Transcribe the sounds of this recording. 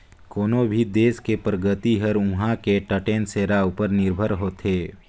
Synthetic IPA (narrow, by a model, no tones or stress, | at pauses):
koːnobʱid̪eːskepɾəɡət̪iɦəɾʊ̃ɦãkeʈəʈeːnseːɾaʊpəɾnɪɾbʱəɾɦoːt̪ʰeː